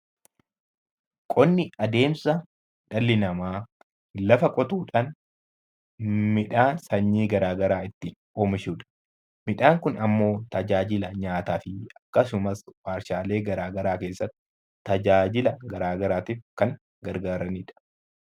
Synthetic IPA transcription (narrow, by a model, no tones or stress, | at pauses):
kʼɔnːɪɐd̪e̞ːmsɐ | ᶑɐlːɪnɐmaː | lɐfɐkʼɔt̪uːᶑan | mɪᶑaːsɐɲːiːɡɐɾaːɡɐɾaːɪt̪ːɪ | oːmɪʃuːᶑɐ̥ | mɪᶑaːŋkʊnɐmːo̞ːt̪ɐd͡ʒaːd͡ʒɪlɐɲaːt̪aːfɪɐkːɐsʊmɐswaːɾʃaːle̞ːɡɐɾaːɡɐɾaːke̞ːsːɐt̪ːɪ | t̪ːɐd͡ʒaːd͡ʒɪlɐɡɐɾaːɡɐɾaːt̪iːfkɐŋ | ɡɐɾɡaːɾɐniːᶑɐ̥